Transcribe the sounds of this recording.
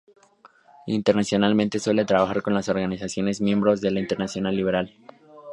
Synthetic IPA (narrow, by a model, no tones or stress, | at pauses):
int̪e̞ɾnasjo̞nalment̪e̞swe̞le̞t̪ɾaβaxaɾko̞nlaso̞ɾɣanisasjo̞ne̞zmje̞mbɾo̞zðe̞laint̪e̞ɾnasjonalːiβe̞ɾal